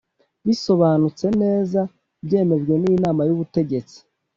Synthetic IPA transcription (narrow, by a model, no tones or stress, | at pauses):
βiso̞βaːnut͡se̞ne̞ːza | bje̞ːme̞ʒɡwe̞ninaːmajuβute̞ɟe̞t͡si̥